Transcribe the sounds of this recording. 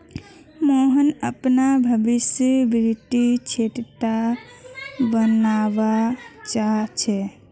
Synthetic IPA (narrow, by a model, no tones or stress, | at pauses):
moɦənəpnabʱəbisjəbɾt̪it͡ʃʰeʈt̪a | bənabat͡ʃaɦt͡ʃʰɛ